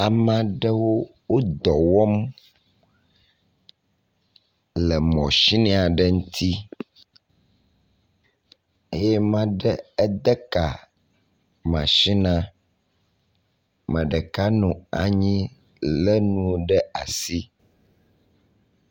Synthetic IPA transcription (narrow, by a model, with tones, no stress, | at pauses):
a˨mã˦ɖə˦wo˦wo˦d̪ɔ˨wɔ˦m | lɛ˨mɔ̃˨ʃi˦nĩ˦a˨ɖə˦ŋũ˦t̪ʰi˦ | e˦jɛ˦mã˦ɖɛ˦ɛ˦d̪ə˦ka˨ | mã̰˨ʃi˦nã˦ | mə̃˨ɖə˨ka˦nũ˨a̰˨ɲĩ˦ | lə˦nũ˦ɖə˦a̰˨si˦